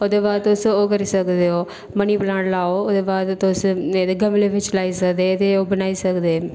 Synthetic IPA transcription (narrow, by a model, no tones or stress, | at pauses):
oːd̪eːbaːd̪̚ʊsoːkəɾiːsəkd̪eːoː | məniːpəlãːɽlaːoːoːd̪eːbaːd̪ʊseːd̪eːɡəmleːʋɪt͡ʃlaːiːsəkd̪eːt̪eːoːbənaːiːsəkd̪eː